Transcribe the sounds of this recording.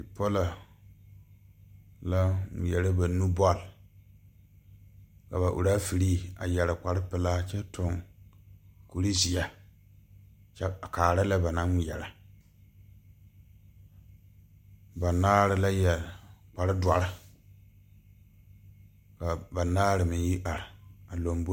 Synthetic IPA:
i˨pɔ˦la˨ | la˦ŋi˨jɛ˨la˦ba˨nu˦bɔ˦˨l | ka˨ba˨ʔṵ˨ɾaː˦fi˨ɾiː˦a̰˨jɛ˨ɾɪ˨k͡pa˨ɾɪ˦pɪ˨la˦t͡ʃɛ˦tʰʊ˨ŋ | ku˨ɾi˦zi˨ja˦ | t͡ʃɛ˦˨kaː˨ɾa˦la˦ba˨nã˦˨jɛ̰˨la˨ | ba˨naː˦ɾɪ˨la˦jɛ˨k͡pa˨ɾɪ˦dwa˨ɾɪ˦ | ka˨ba˨naː˦ɾɪ˨mɪ˨˦ji˦ʔa˨ɾɪ˨a˨lo˨mb

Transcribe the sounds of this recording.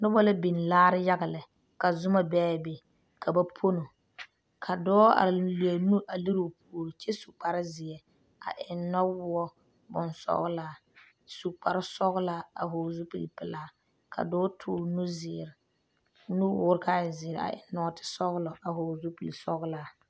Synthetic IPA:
nʊ˦bɔ˦la˦bi˨n˨laː˦ɾɪ˦ja˦ɣa˨lɪ˨ | ka˨zʊ˦ma˨bɛː˦˨be˨ | ka˨ba˦pʰo˦no˨ | kʰa˨dɔː˦a̰˨li˨e˨nu˦ʔa˨li˦ɾu˨pu˦o˨ɾi˨t͡ʃɛ˦su˨k͡pa˨ɾɪ˦zɪ˨ɛ˨ | a̰˨ʔɪ˨nːɔ˦wʊ˦ɔ˦ | bʊ˨nsɔ̰˦ɣla˨ | su˨k͡pa˨ɾɪ˦sɔ˦ɣʊ˦la˦a̰˨ɦʊː˨zu˦pḭ˨lpɪ˨laː˨˦ | kʰa̰˨dɔː˦tʰʊː˦˨nu˦zɪ˨ɾɪ˨ | nu˦wʊː˦ɾka˦ɪ˨zɪ˨ɾa̰˨ʔɪ̰˨˦nːɔ˦tɪ̥˦sɔ˦ɣlɔ˨ʔa˨hʊ˨zu˦pi˨li˨sɔ˦ɣʊ˦laː˨˦

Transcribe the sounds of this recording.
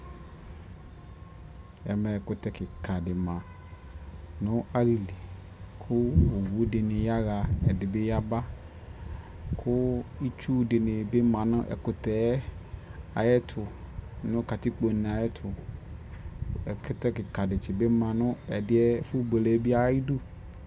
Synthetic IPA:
ɛ̰˨mɛ˨ɛ˨kʊ˦t̪ɛ˦kɪ˨ka˨dɪ˨mã˨ | nʊ̃˦a˦li˨li˨ | kʰʊ˦o˨wu˦dɪ˨nɪ˨ja˦ɣa˨ɛ˨dɪ˨bɪ˦ja˦ba˦ | kʰʊ˦i˦t͡ʃu˦dɪ˨nɪ˨bɪ˦mã˨nʊ̃˦ʔɛ̰˨kʊ˨t̪ɛ˦ | a˨jɛ˦t̪ʰʊ˨ | nʊ̃˦ka˨t̪i˦k͡po˨nɪ̃˨a˨jɛ˦tʰʊ˨ | ɛ˨kʊ˦t̪ɛ˦kɪ˨ka˨dɪ˨t͡ʃɪ˨be˦mã˨nʊ̃˦ɛ˨dɪ˦ɛ˦fʊ˦be˨le˦bi˦a˦i˦du˦

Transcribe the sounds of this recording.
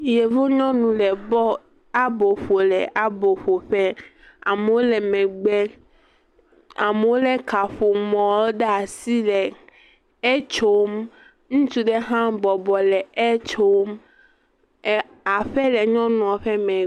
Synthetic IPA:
je˨vo˦ɲɔ̃˦nũ˨lɛ˨bɔ˦ | a˦bo˨ɸo˨lɛ˨ʔa˦bo˨ɸo˨ɸɛ˦ | a˨me˨wo˦lɛ˨mɛ̃˨ɡ͡bɛ˦ | a˨me˨wo˦lɛ˦ka˨ɸo˨mɔ̃˨˦ɖɛ˦a˨si˦lɛ˨ | e˦t͡ʃo˦m | ŋũ˦t͡ʃu˦ɖe˦ɦã˦bɔ˨bɔ˨lɛ˨e˦t͡ʃo˦m˦ | a˨ɸɛ˦lɛ˨ɲɔ̃˦nũ˨a˨ɸɛ˦mɛ̃˨

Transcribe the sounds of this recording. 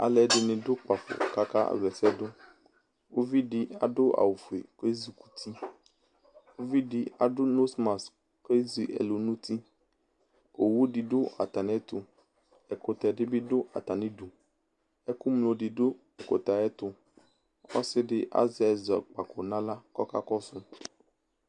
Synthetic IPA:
a̰˨lɛ˨dɪ˨nɪ̃˨dʊ˦k͡pa˨fʊ̰˨ka˦ka̰˦˨vɛ˨sɛ˦dʊ˦ | wo˦vi˦dɪ˨˦a̰˨dʊ˦ʔa̰˨wu˨fu˨e˨ke˦zi˨ku̥˨t̪ʰi˦ | wo˦vi˦di˨a˨dʊ˦no˦sma˨s | ke˦zi˨ʔɛ̰˨lo˨nũ˦t̪ʰi˦ | o˨wu˦ɖi˨ɖʊ˦ʔa̰˨t̪a˨n˨ɛ˦t̪ʊ˨ | ɛ˨kʊ˨t̪ɛ˨ɖɪ˦bɪ˦dʊ˦ʔa̰˨t̪a˨nĩ˦ɖu˨ | ɛ˦ku˦mlo˨ɖi˨dʊ˦ | ɛ˨ko̰˨t̪a˨ɛ˦t̪ʊ˦ | ɔ̰˦sɪ˦ɖɪ˦ʔa̰˦zi˦a˨zɔ̰˨k͡pa˨kɔ˨nã˦la˦kɔ˦ka̰˦kɔ˦sʊ˦

